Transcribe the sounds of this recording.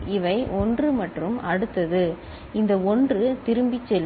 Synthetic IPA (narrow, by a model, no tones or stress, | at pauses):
ɪʋɐɪʔɔndrɯmɐʈrɯmɐɽɯt̪ːɐðɯ | ɪnd̪ɐɔndrɯt̪ɪɾɯmbɪt͡ʃːɛl